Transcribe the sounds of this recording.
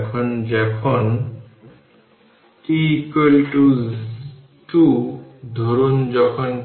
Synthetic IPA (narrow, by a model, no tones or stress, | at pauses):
kʰɔnd͡ʒɛkʰɔn | tikelʈu | ʈud̪ʱoɾund͡ʒɔkʰɔn